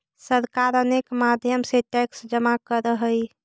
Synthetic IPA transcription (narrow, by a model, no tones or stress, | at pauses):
səɾkaɾənekmad̪ʱjəmseʈɛksd͡ʒəmakəɾəɦəj